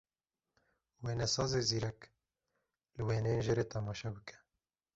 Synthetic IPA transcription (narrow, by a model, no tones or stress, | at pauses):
weːnɛsɑːzeziːɾɛk | lɨweːnɛjenʒeɾeːt̪ʰɛmɑːʃɛbɨkʰɛ̥